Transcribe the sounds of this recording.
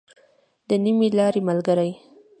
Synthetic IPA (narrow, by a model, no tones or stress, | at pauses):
d̪̥ənimilɑɾemalɡaɾaj